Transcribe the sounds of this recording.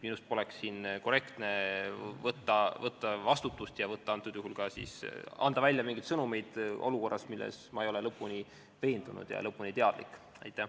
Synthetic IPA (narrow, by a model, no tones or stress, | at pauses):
minust̪̚po̞leksːiːnkore̞kt̪ne̞vɤt̪ːɑvɤt̪ːɑvɑst̪ut̪ːˑust̪jɑvɤt̪ːɑɑnt̪ːˑud̪̥juɦulkɑsḭːsɑ̰nd̪̥ɑvælʲjɑmiŋɡ̥it̪sɤnume̞jd̪̥ʔo̞̰luko̞rːɑsmilːḛsmɑejo̞lelɤpːˑuni | ve̞ːnd̪unṵd̪̥jɑ̰lɤpːˑunit̪e̞ɑd̪̥lḭkːˑ | ɑjt̪ːˑæ